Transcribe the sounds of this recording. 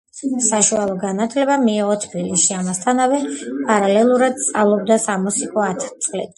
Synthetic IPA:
saʃualˠɔɡanat̪ʰlɛbamiːʁɔt̪ʰbilisʃiamast̪ʰanavɛpʼaɾalɛlˠuɾad̪̚t̪sʼalˠɔbd̪asamɔsikʼɔat̪ʰt̪sʼlɛ̰t̪ʼ

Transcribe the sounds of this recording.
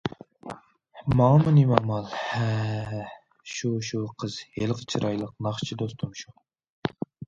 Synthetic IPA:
mɑŋmɨnimɑmɑlˠhɛ | ʃuʃuqʰəzhelqʰət͡ʃʰɾʔɑjlˠəq̚nɑχt͡ʃʰid̪ost̪ʰumʃu

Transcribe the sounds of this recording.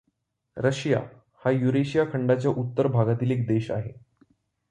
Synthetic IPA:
ɾəɕja̰ | hajuɾeɕijakʰəɳɖat͡ɕjaʔut̪ːəɾbʱaɡat̪iːlek̚d̪eɕa̰ɦe

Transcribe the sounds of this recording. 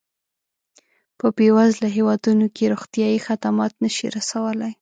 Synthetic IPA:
pəpewazlaɦewɑd̪unokeɾoxt̪jɑjixat̪amɑt̪nəʃḭɾasawəlaj

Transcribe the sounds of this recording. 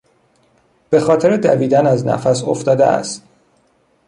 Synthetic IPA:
b̥e̞xɒːt̪ʰe̞ɾed̪æ̰viːd̪ænæznæ̰fæsoft̪ɒːd̪eæ̰st̪

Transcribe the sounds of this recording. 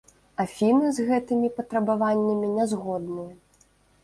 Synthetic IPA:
afʲinɨzɣɛt̪ɨmʲipɐt̪ɾɐbavanʲːɐmʲinʲɛzɣɔd̪nɨjɐ

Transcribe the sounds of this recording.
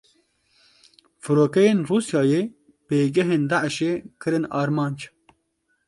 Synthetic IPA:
fɨɾoːkɛjeːnruːsjɑːjeː | peːɡɛɦeːnd̪aʔʃeːkʰɨɾɨnɑːɾmɑːnd͡ʒ

